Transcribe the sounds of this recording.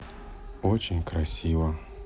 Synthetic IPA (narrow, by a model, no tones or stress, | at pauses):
ot͡ɕɪnʲkɾɐsʲivə